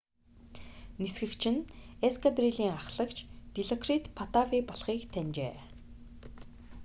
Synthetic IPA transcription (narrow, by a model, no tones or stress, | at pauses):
nisxɘ̆kt͡ɕʰɪ̆neskʰat̪riɮiːŋaχɮə̆kt͡ɕpiɮɔkrit̪pʰɔt̪afiːpɔɮχiːkt̪ʰænʲt͡ɕḛː